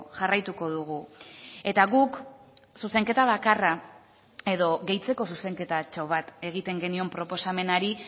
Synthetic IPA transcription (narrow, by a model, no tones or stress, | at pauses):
ʝarajt̪uko̞ðuɣ̞ue̞t̪aɣuksuse̞ŋke̞t̪aβ̞akara | e̞ðo̞ɣe̞jt͡se̞ko̞s̬use̞ŋke̞t̪at͡ʃo̞β̞at̪e̞ɣ̞it̪e̞ŋɡe̞nio̞mpɾo̞po̞same̞naɾi